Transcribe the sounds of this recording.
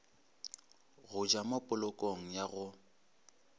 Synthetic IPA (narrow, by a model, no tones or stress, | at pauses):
ɣʊd͡ʒamopʼʊlʊkʼoŋ̩jaɣʊ